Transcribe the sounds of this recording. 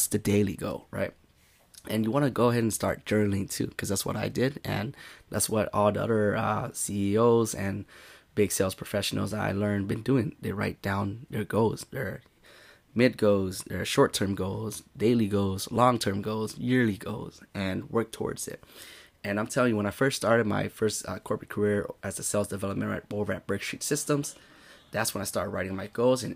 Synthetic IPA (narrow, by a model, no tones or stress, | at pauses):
sðɨdeɪlˠḭɡoʊɹa̰ɪt̚ | ʔɨ̃njəwɑnɨɡoʊəɦɛɾɨ̃nstɑ̰ɹt̚d̥ʒ̥ɜ̃˞nl̩ɪ̃ŋtʰʉ̰kʰʌzðætswʌ̰ɾaɪdɪdɨ̰̃nðætswʌɾɔlˠðiʌ̰ðə˞ʌ̰siioʊzɨ̃nbɪɡselˠz̥pʰɹ̥əfɛʃn̩l̩ˠza̰ɪlɜ̃˞nbɨ̃nduɪ̃ŋðɪɹa̰ɪt̚d̥ãʊ̃nðə˞ɡoʊz̥ðə˞ | mɪd̚ɡoʊzðə̰˞ʃɔɹtʰɜ̃˞mɡoʊzdeɪlˠiɡoʊzlɔ̃ŋtʰɜ̃˞mɡoʊzjɪɹlˠiɡo̰ʊz̥ɨ̃nwɜ˞k̚tʰɔ̰ɹdz̥ɪ̰t̚ | ɨ̃nãɪ̃mtʰɛlˠɪ̃ŋjɨwə̃ñaɪfɜ˞ststɑɹɾɨd̚ma̰ɪfɜ˞stʌkʰɔɹpʰɹɨt̚kʰə˞ɪɹʔɨzɨsɛlˠzdɨvɛlˠəp̚mɨ̃ntɹa̰ɪt̚boʊvə˞ɨt̚b̥ɹɜɡstɹ̥ḭtsɪstə̃mz̥ | ðætswə̃ñaɪstɑɹɾd̚ɹa̰ɪɾɪ̃ŋmaɪɡ̥oʊzɨ̃n